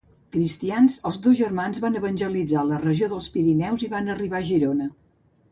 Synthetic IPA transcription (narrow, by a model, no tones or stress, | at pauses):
kɾist̪ianzəlˠzðozʒərmanzβanəβənʲʒəlid͡zalərəʒioðəlˠspiɾinɛwziβanəriβaəʒiɾonə